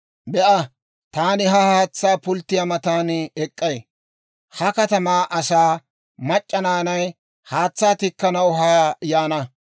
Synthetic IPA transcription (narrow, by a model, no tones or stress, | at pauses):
bɛʔɐ | t̪aːnɪɦɐhaːt͡sːaːpʊlt̪ːɪjɐmɐt̪aːnɛkʼːɐj | hɐkɐt̪ɐmaːʔɐsaː | mɐt͡ʃʼːɐnaːnɐj | haːt͡sːaːt̪ɪkːɐnɐwɦɐjajaːnɐ